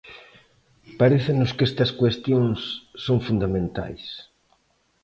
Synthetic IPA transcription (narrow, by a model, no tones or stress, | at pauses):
paɾeθɪnʊskest̪ɐskwest̪joŋsːoŋfund̪amẽnt̪a̰js